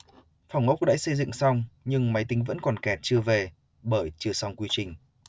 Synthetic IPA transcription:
fa˨˩wŋ͡mʔə˦˥k͡p̚ɗa̰ː˧˥jsə˧jzɨ̰˧˨ŋsa˧wŋ͡mɲɨ˧ŋma˨˦jt̪ï˨˦ŋ̟və̰˧˥nkɔ˨˩nkɛ˨˩t̚t͡ɕɨ˧əve˨˩ | ɓəː˧˩jt͡ɕɨ˧əsa˧wŋ͡mkwi˧t͡ɕï˨˩ŋ̟

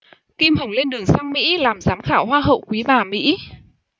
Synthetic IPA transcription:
ki˧mhə˨˧˩wle˧nɗɨ˨˩əŋsa˧ŋmḭ˧˥laː˨˩mzaː˨˦mxaː˧˩wɦwaː˧ɦə̰˧˨wkwi˨˦vaː˨˩mḭ˧˥

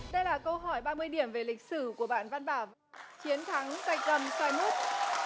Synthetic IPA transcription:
ɗə˧jlaː˨˩kə˧wɦɔ˧˩jɓaː˧mɨ˧əjɗi˧˩əmve˨˩lï˨˩k̟̚sɨ˧˩ku˧˩əɓa̰ː˧˨nva˧nɓaː˧˩wv | t͡ɕi˨˦ənt̪ʰa˨˦ŋka˨˩jk̟̚t̪ə˧˩msaː˧jmu˦˥t̚

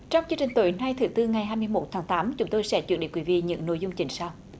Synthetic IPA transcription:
t͡ɕɔ˧wŋ͡mt͡ɕɨ˧ŋt͡ɕï˨˩ŋ̟t̪o˧˨˦jnaː˧jt̪ʰɨ˨˦t̪ɨ˧ŋa˨˩jɦaː˧jmɨ˧əjmo˨˩t̚t̪ʰaː˨˦ŋt̪aː˨˦mt͡ɕʊ˨˦ŋ͡mt̪o˧jsɛ̰˧˥t͡ɕwnɗḭ˧˦kwi˨˦vḭ˧˨ɲɨ̰˧˥ŋno̰˧˨jzʊ˧wŋ͡mt͡ɕï˧˩ŋ̟saː˧w

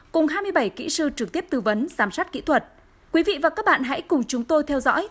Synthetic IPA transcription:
kʊ˨˩ŋ͡mɦaː˧jmɨ˧əjɓa˧˩jkḭ˧˥sɨ˧t͡ɕɨ˨˩k̚t̪i˦˥əp̚t̪ɨ˧˩və˨˦nzaː˨˩msaː˦˥t̚kḭ˧˥t̪ʰwə˨˩t̚ | kwi˨˦vḭ˧˨vaː˨˩kaː˦˥k̚ɓa̰ː˧˨nɦa̰˧˥jkʊ˨˩ŋ͡mt͡ɕʊ˨˦ŋ͡mt̪o˧jt̪ʰɛ˧wzɔ̰˧˥j

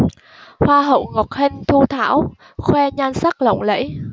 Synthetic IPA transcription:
hwaː˧ɦə̰˧˨wŋɔ˨˩t̚hï˧ŋ̟t̪ʰu˧t̪ʰa̰ː˧˥w | xwɛ˧ɲaː˧nsa˦˥k̚lə̰˧˨wŋ͡mlə̰˧˥j

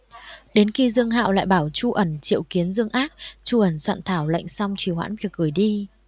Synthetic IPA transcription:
ɗe˨˦nxi˧zɨ˧əŋɦa̰ː˧˨wla̰ː˧˨jɓaː˧˩wt͡ɕu˧ʔə˧˩nt͡ɕḭ˧˨əwki˨˦ənzɨ˧əŋʔaː˦˥k̚t͡ɕu˧ʔə˧˩nswa̰ː˧˨nt̪ʰaː˧˩wla̰˧˨jŋ̟sa˧wŋ͡mt͡ɕwi˧˩hwa̰ː˧˥nvi˧˩ək̚ɣɨ˧˩əjɗi˧

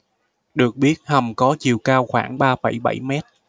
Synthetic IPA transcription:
ɗɨ˨˩ək̚ɓi˦˥ət̚hə˨˩mkɔ˨˦t͡ɕi˨˩əwkaː˧wxwaː˧˩ŋɓaː˧fa̰˧˩jɓa̰˧˩jmɛ˦˥t̚

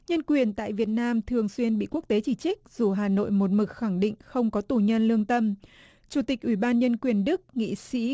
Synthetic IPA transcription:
ɲə˧nkwi˨˩ənt̪a̰ː˧˨jvi˨˩ət̚naː˧mt̪ʰɨ˨˩əŋswi˧ənɓḭ˧˨ku˦˥ək̚t̪e˨˦t͡ɕi˧˩t͡ɕï˦˥k̟̚z̥u˨˩ɦaː˨˩no̰˧˨jmo˨˩t̚mɨ˨˩k̚xa˧˩ŋɗḭ̈˧˨ŋ̟xə˧wŋ͡mkɔ˨˦t̪u˨˩ɲə˧nlɨ˧əŋt̪ə˧m | t͡ɕu˧˩t̪ï˨˩k̟̚ʔwi˧˩ɓaː˧nɲə˧nkwi˨˩ənɗɨ˦˥k̚ŋḭ˧˨sḭ˧˥

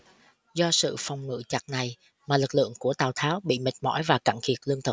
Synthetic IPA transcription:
zɔ˧sɨ̰˧˨fɔ˨˩wŋ͡mŋɨ̰˧˨t͡ɕa˨˩t̚na˨˩j | maː˨˩lɨ˨˩k̚lɨ̰˧˨əŋku˧˩ət̪aː˨˩wt̪ʰaː˨˦wɓḭ˧˨mï˨˩k̟̚mɔ̰˧˥jvaː˨˩ka˧˩ŋkʰi˨˩ət̚lɨ˧əŋt̪ɨ˨˩k̚

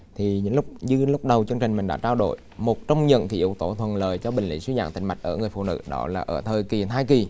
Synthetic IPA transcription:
t̪ʰi˨˩ɲɨ̰˧˥ŋlʊ˦˥k͡p̚zɨ˧lʊ˦˥k͡p̚ɗə˨˩wt͡ɕɨ˧əŋt͡ɕï˨˩ŋ̟mï˨˩ŋ̟ɗa̰ː˧˥t͡ɕaː˧wɗo̰˧˨j | mo˨˩t̚t͡ɕɔ˧wŋ͡mɲə̰˧˨nk̪ʰḭ˧˥ʔḭ˧˨wt̪o˧˩t̪ʰwə˨˩nləː˨˩jt͡ɕɔ˧ɓï˨˩ŋ̟lḭ˧˥swi˧˦za̰ː˧˨ŋt̪ï˧˩ŋ̟ma˨˩jk̟̚ʔəː˧˩ŋɨ˨˩əfṵ˧˨nɨ̰˧˥ɗɔ̰˨˦laː˨˩ʔəː˧˩t̪ʰəː˨˩jki˨˩t̪ʰaː˧jki˨˩

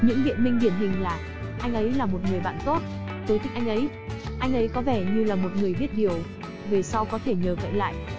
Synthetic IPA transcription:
ɲɨ̰˧˥ŋvḭ˧˨ənmï˧ŋɗi˧˩ənɦï˨˩ŋ̟laː˨˩ | ʔa˧jŋ̟ʔə˨˦jlaː˨˩mo˨˩t̚ŋɨ˨˩əjɓa̰ː˧˨nt̪o˦˥t̚ | t̪o˨˦t̪ʰi̟˨˦ʔa˧ŋ̟ʔə˨˦j | ʔa˧jŋ̟ʔə˨˦jkɔ˨˦vɛ˧˩ɲɨ˧laː˨˩mo˨˩t̚ŋɨ˨˩əjɓət̚ɗi˨˩əw | ve˨˩sa˧wkɔ˨˦t̪ʰe˧˩ɲəː˨˩və̰˧˨jla̰ː˧˨jʔ

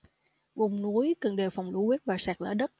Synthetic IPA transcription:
vʊ˨˩ŋ͡mnu˨˦əjkə˨˩ŋɗe˨˩fɔ˨˩wŋ͡mlṵ˧˦wiː˦˥t̚vaː˨˩saː˨˩k̚lə̰ː˧˩ɗə˦˥t̚

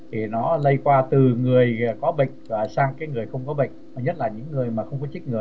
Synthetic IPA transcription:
t̪ʰi˨˩nɔ˨˦lə˧jkwaː˧t̪ɨ˨˩ŋɨ˨˩əjkɔ˨˦ɓə̰˧˨jŋ̟vaː˨˩saː˧ŋkaː˨˦jŋɨ˨˩əjxə˧wŋ͡mkɔ˨˦ɓə̰˧˨jŋ̟ɔ˨˩ɲə˦˥t̚laː˨˩ɲɨ̰˧˥ŋːɨ˨˩əjmaː˨˩xə˧wŋ͡mkɔ˨˦t͡ɕi˦˥k̟̚ŋɨ˨˩əj

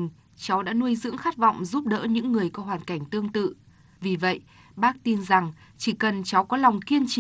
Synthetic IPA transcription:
ŋ | t͡ɕa˨˦wɗa̰ː˧˥nu˧əjzɨ̰˧˥əŋxa˦˥t̚vɔ̰˧˨wŋ͡mzu˦˥p̚ɗə̰ː˧˥ɲɨ̰˧˥ŋːɨ˨˩əjkɔ˨˦ɦwaː˨˩nka˧˩jŋ̟t̪ɨ˧əŋt̪ɨ̰˧˨ | vi˨˩və̰˧˨jʔ | ɓaː˦˥k̚t̪i˧nza˨˩ŋ | t͡ɕi˧˩kə˨˩nt͡ɕa˨˦wkɔ˨˦la˨˩wŋ͡mki˧ənt͡ɕi˧˨

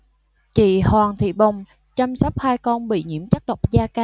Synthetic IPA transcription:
t͡ɕḭ˧˩˨hwaː˨˩ŋt̪ʰḭ˧˨ɓə˨˩wŋ͡m | t͡ɕa˧msɔ˦˥k͡p̚haː˧jkɔ˧nɓḭ˧˨ɲḭ˧˥əmt͡ɕa˦˥k̚ɗə˨˩wk͡p̚zaː˧kaː˧

